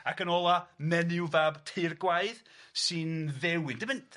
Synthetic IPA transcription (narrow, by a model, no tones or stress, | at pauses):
akənɔlˠamɛnɪwvabtʰejrɡwaɨðsɨnðɛwɪndɪmɪntʰ